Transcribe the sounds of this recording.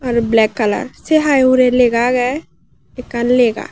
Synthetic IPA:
ɔːɾblɛːkːələ̰ɾseɦaːjuɾeleːɡaɡɛ | ɪkənleːɡa̰

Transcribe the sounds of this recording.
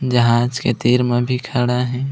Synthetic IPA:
d͡ʒəɦaːd͡ʒket̪iːɾmẽbʱikʰəɽaɦɛː

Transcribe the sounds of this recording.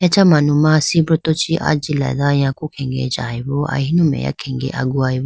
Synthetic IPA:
jat͡ʃamanumãsibɾɔt̪ot͡ʃiʔa̰d͡ʒilɛ̰d̪ajãkukʰɛ̃ŋɡḛd͡ʒaiboʔa̰ɦinũmɛ̰ja̰kʰɛ̃ŋɡḛʔa̰ɡuajbo

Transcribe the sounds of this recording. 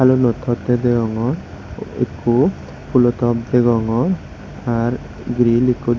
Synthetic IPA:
alonɔt̪ʰɔt̪ed̪eɡɔŋɔɾ | ḛkʰːu | pulɔt̪ɔb̚d̪eɡɔŋɔɾ | aɾ | ɡɾilikːud̪

